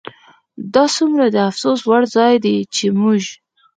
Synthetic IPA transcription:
d̪ɑsumɾad̪əafsoswaɽzɑjd̪et͡ʃemuʒ

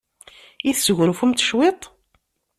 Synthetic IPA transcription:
iθsɣɾfumt̪ʃwet̪ˤ

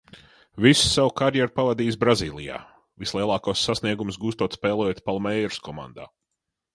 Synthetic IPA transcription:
vissawkaɾjɛɾpavad̪iːs̬bɾaziːlˠija̰ː | vislˠiɛlˠɑːkuɔsːasniɛɡumsɡuːst̪uɔt̪spɛːlˠɛjɛt̪̚palˠmɛjɾskɔmã̰nd̪a̰ː

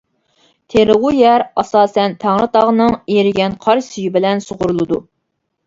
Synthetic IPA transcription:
t̪ʰeɾɨʁujɛɾɑsɑːsɛnt̪ʰæŋɾɨt̪ʰɑʁnɨŋeɾɪɡʲɛnqʰɑɾsyjybɪlɛnsoʁʊɾulˠɨd̪u

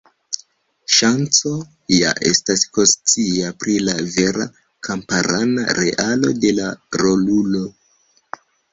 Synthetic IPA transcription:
ʃant͡so̞ | ja̰ʔe̞̰stasko̞st͡siapɾilave̞ɾa̰ | kʰampaɾana̰ɾe̞̰ʔalo̞̰de̞laɾo̞lulo̞

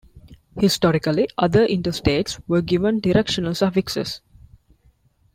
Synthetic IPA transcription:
hisʈɔɾikəliʔʌd̪əʔĩɳʈəsʈeːʈsʋəːɡiʋə̃nɖiɾekʃə̃nəlsɔʋiksə̰s

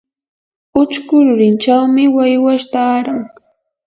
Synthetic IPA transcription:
ʊt͡ʃkʊɾʊɾɪnt͡ʃawmɪwajwaʃt̪aɾaŋ

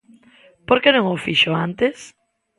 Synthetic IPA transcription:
poɾkenõŋofiʃoãnt̪es

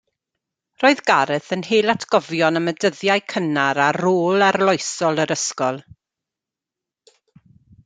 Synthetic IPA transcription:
roːɨðɡaɾɨθənɦeːlˠatʰɡ̥ɔvjɔnəmədəðjajkʰənaɾaroːlˠarlˠɔjsɔlˠəɾəskɔlˠ

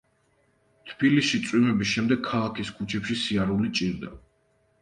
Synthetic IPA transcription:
t̪ʰb̥ilisʃit̪sʼwimɛbisʃɛmd̪ɛɡ̚kʰalˠakʰiskʰut͡ʃʰɛpʃisiaɾulit͡ʃʼiɾd̪a̰

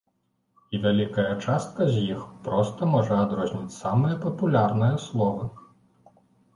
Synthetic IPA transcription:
ivʲalʲikɐjɐt͡ʂast̪̚kɐzʲjixpɾɔst̪ɐmɔʐɐad̪ɾɔzʲnʲit͡sʲsamɨjɐpɐpulʲarnɨjɐslˠɔvɐ

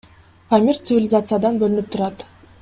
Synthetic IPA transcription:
pamʲirʲt̪sɨvʲɪlʲɪzat̪sɨjad̪ɑnbɵlynyp̚t̪ʰʊɾɑt̪

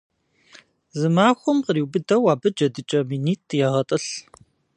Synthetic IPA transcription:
zɨmaːxʷʊmqəɾiːwbɨdɐwaːbɨd͡ʒɐdɨt͡ʃʼɐminiːtʰjaːʁɐtʼɨɬ

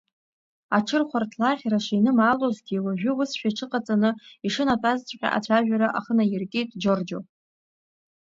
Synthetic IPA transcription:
aʈ͡ʂʰɨrχʷartʰlaχʲraʂiinɨmaːlozɡʲiwaʒᶣʏʊsʃᶣaʈ͡ʂʰɨqʼat͡sʼanɨiʂɨnatʼazt͡sʷʼħʲa̰ʔa̰t͡ɕʷʰaʒᶣaɾaʔaχənajɪrkʲʼetʼd͡ʒord͡ʒo

